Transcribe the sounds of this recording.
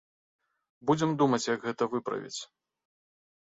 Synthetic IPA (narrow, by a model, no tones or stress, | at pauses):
bud͡zʲɛmd̪umɐt͡sʲjɐɡɣɛt̪ɐvɨpɾɐ̰vʲḭt͡sʲ